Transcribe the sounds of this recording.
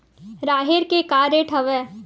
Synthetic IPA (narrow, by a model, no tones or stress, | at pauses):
ɾaːɦɪɾkekaːɾeʈʰɐʋɛː